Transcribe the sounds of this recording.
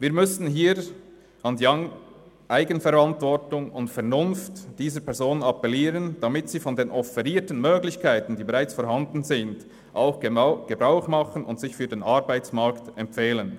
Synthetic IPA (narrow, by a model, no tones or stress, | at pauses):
viːɾmʏsn̩ɦiːɾ | ɑndjɑŋ | ʔaɪɡənfɛɾantv̥ɔʁtʊŋʊntfɛɐnʊnftd̥iːzəɾpʰɛɐzoːnnɑpɛliːɾənd̥amɪtsiːfɔndeːnʔɔfɛɾiːtən̩møːɡlɪçkʰaɪtn̩diːbeʁaɪt͡sfɔɾɦandn̩zɪnd̥ | ʔaʊxɡ̥ɡ̥əbʁaʊxmɑχənʊ̰ntsɪçfyːdeːnɑɾbaɪt͡smɑɾktɛmfeːlən